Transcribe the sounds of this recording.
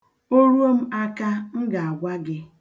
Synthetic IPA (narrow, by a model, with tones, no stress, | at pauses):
o˦ɾu˦o˦m̩˦a˦ka˦m̩˦ɡa˨a˨ɡʷa˦ɡɪ˦